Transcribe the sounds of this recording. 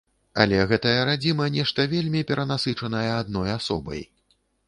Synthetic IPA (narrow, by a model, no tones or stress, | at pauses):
ɐ̰lʲɛɣɛt̪ɐjɐɾad͡zʲimɐnʲɛʂt̪ɐvʲelʲmʲipʲɛɾɐnasɨt͡ʂɐnɐjɐad̪nɔjasɔ̰bɐ̰j